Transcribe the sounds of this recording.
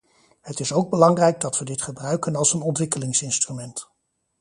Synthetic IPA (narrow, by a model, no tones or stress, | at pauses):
ɦətɪsowɡ̚bəlɑŋrɛjɡ̚dɑtʋədɪtχəbrœɥkənɑlˠsənɔntʋɪkəlɪŋsɪnstrymɛnt